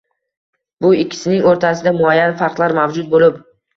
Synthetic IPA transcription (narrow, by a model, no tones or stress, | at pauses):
bʊɪkʲʰːɪ̥sɪnɪŋoɾt̪ʰasɪd̪amʊajːanfaɾqlˠaɾmavd͡ʒʊd̪̚bolɪp